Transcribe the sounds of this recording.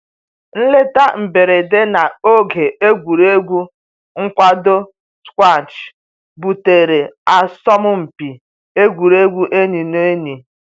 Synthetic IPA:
n̩˦le˦ta˦m̩˨be˨ɾe˨de˦na˨o˦ɡe˨e˦ɡʷu˨ɾe˦ɡʷu˦ | ŋ̩˦kʷa˦do˦ | skʷa˦˨n˨t͡ʃ | bu˨te˨ɾe˨a˨sɔ˦mʊ˦m̩˨pi˨ | e˦ɡʷu˨ɾe˦ɡʷu˦ʔe˦ni˨no˦e˦ni˨

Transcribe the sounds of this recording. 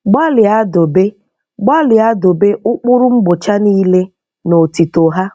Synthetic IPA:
ɡ͡ba˦lɪ˨a˦do˨be˦ | ɡ͡ba˦lɪ˨a˦do˨be˦ʊ˦k͡pʊ˦ɾʊ˦ŋ͡m̩˦ɡ͡bʊ˨t͡ʃa˦ni˦le˦ | no˨ti˨to˨ɦa˦

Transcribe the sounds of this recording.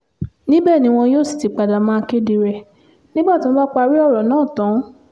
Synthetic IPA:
nĩ˦bɛ˦˨nĩ˨˦w̃ɔ̃˧joː˦˨si̥˨ti˨˧k͡pa˨da˨mãː˦˧ke˦di˧ɾɛ˨ | nĩ˦ba˦˨tĩ˦w̃ɔ̃˦ba˦k͡pa˧ɾi˦ɔ˦˨ɾɔ˨nãː˦˨tã˨˦

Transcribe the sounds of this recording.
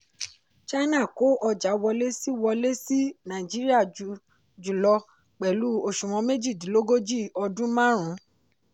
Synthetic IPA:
t͡ʃa˦nã˦˨ko˨˦ʔɔ˧d͡ʒa˨˦wɔ˧le˦si˦wɔ˧le˦si˦nã˨d͡ʒi˦ɾi˦a˦˨d͡ʒu˨ | d͡ʒu˨lɔ˧ | k͡pɛ˨lu˨˦o˦˨ʃũ˨w̃ɔ̃˧me˦d͡ʒi˦˨dĩ˨˦lo˦ɡo˦d͡ʒi˦˨ɔ˧dũ˦mã˦ɾ̃ũ˨˦

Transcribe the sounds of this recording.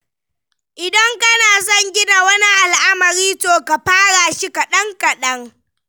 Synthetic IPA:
ʔɪ˨dɐ˦ŋkɐ˦naː˨sɔ˦˨ɲɡʲɪ˦na˨wɐ˦ni˦ʔa˨lʔa˦mɐ˨ɾiː˦toː˨ka˨ɸaː˦ɽaː˨ʃɪ˦ka˨ɗɐ˦ŋkɐ˨ɗɐ˦ŋ

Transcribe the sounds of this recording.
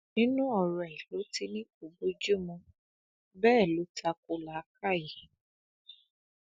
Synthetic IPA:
nĩ˦nũ˦ɔ˨ɾɔ˨ɛ˨lo˨˦ti˧nĩ˦ku˨bo˦d͡ʒu˦mũ˧ | bɛː˦˨lo˨˦ta˧ko˧˦la˨˦ka˦˨ji˨

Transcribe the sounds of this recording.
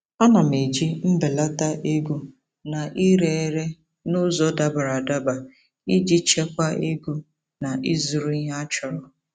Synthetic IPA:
a˦na˨me˨d͡ʒi˦m̩˦be˨la˦ta˦ʔe˦ɡu˦ | na˨ʔi˦ɾe˦˨˦ɾe˦ | nʊ˦zɔ˨da˨ba˨ɾa˨da˦ba˨ | i˦d͡ʒi˦t͡ʃe˦kʷa˦e˦ɡu˦ | na˨ʔi˦zu˨ɾu˦ɲa˦t͡ʃɔ˨ɾɔ˨

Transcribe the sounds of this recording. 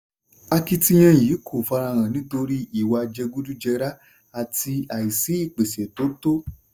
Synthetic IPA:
a˧ki˧ti˧j̃ã˧˨ji˨˦kʰo˨fa˧ɾa˧ɾ̃ã˨nĩ˨˦to˧ɾi˦i˨wa˧d͡ʒɛ˧ɡu˦du˦d͡ʒɛ˧ɾa˦ | a˨ti˧a˨i˨si˨˦i˦˨k͡pe˨se˨to˨˦to˦

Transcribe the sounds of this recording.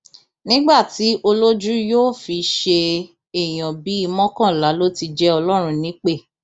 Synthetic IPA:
nĩ˦ɡ͡ba˦˨ti˨˦ʔo˧lo˦d͡ʒu˦joː˦˨fi˧ʃe˧ | e˨j̃ã˨bi˨˦i˧mɔ̃˦kã˦˨la˨˦lo˦ti˧d͡ʒɛ˦ɔ˧lɔ˦ɾ̃ũ˧nĩ˨˦k͡pe˦˨

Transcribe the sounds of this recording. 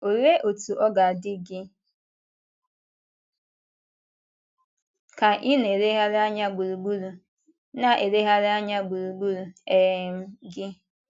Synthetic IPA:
o˨ɾe˦ʔo˨tu˨ʔɔ˦ɡa˨dɪ˦ɡɪ˦ | ka˨ʔɪ˦ne˨ɾe˦ɦa˦ɾa˦ɲa˦ɡ͡bu˨ɾu˨ɡ͡bu˦ɾu˨ | na˨ʔe˨ɾe˦ɦa˦ɾa˦ɲa˦ɡ͡bu˨ɾu˨ɡ͡bu˦ɾu˨e˨m̩˦ɡɪ˦

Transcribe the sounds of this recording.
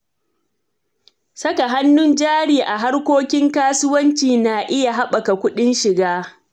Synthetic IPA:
sɐ˦ka˨ɦa˦nːʊ˦nd͡ʒaː˦ɽiː˨ʔa˨ɦa˦rkʷoː˦kʲɪ˦ŋkaː˦sʊ˦wɐ˦nt͡ʃiː˨naː˨ʔɪ˦ja˨ɦa˦ɓɐ˨ka˨kʷʊ˦ɗɪ˦nʃɪ˨ɡaː˦

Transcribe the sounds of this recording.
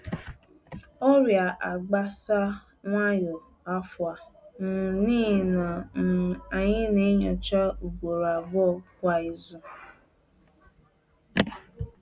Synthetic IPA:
ɔ˦ɾja˨ʔa˨ɡ͡ba˦sa˦ | ŋʷa˦jo˨ | a˦fʊ˨a˨nʊ˨niː˦˨na˨ | a˨ɲɪ˦ne˦ɲɔ˨t͡ʃa˦u˨ɡʷo˨ɾa˨bɔ˦˨kʷa˨i˨zu˦

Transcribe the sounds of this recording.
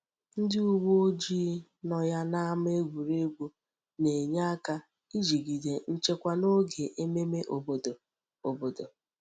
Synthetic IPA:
n̩˦dɪ˦u˦wo˦o˦d͡ʒiː˦nɔ˨ja˦na˦m˦e˦ɡʷu˨ɾe˦ɡʷu˦ | ne˨ɲa˦a˦ka˦ | i˦d͡ʒi˨ɡi˨de˨n̩˦t͡ʃe˦kʷa˦no˦ɡe˨ʔe˦me˦me˦ʔo˨bo˨do˨ | o˨bo˨do˨

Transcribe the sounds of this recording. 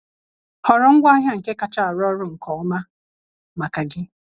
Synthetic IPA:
hɔ˨ɾɔ˨ŋ̩˦ɡʷa˦ɦja˦ŋ̩˨ke˦ka˨t͡ʃa˦˨a˨ɾɔ˦ɾʊ˦˨ŋ̩˨kʰɔ˨˦ma˦ | ma˨ka˨ɡɪ˦

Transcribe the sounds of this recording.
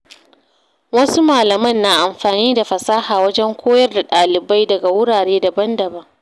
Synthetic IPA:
wɐ˦su˦maː˨lɐ˨mɐ˦˨nːaː˨ʔa˨mɸaː˨niː˦da˨ɸɐ˨saː˦haː˨wɐ˦d͡ʒɛ˦ŋkʷʰoː˦jɐ˦rda˨ɗaː˨lɪ˨ba˦jdɐ˨ɡa˨wʊ˦ɽaː˨ɽeː˦da˨bɐ˦ndɐ˨bɐ˦ŋ

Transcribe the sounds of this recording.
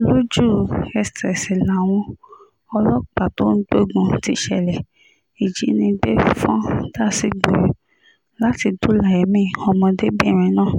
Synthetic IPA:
lo˦d͡ʒu˦˨ɛ˧stɛ˨si˨la˨w̃ɔ̃˧ | ɔ˧lɔ˦k͡pa˨to˦n̩˦ɡ͡bo˦˨ɡũ˧˦ti˦˧ʃɛ̰˨lɛ˨ | i˨d͡ʒi˨˦nĩ˧ɡ͡be˦fɔ̃˦d̥a˦˨si˦ɡ͡bo˨j | la˦ti˧do˦la˨ɛ˨mĩ˦˨ɔ˧mɔ̃˧de˦bi˦ɛ˦˨ɾ̃ɛ̃˨nãː˦˨

